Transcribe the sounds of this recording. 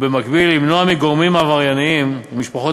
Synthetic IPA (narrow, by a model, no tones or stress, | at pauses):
bemakbilːimnoamiɡoʁmimavaʁjaniimmiʃpaχo